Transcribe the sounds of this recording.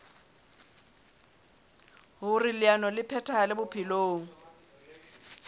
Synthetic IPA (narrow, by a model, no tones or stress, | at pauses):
ɦʊrɪlɪanɔlɪpʰɛtʰʼalɪbʊpʰɪloːŋ̩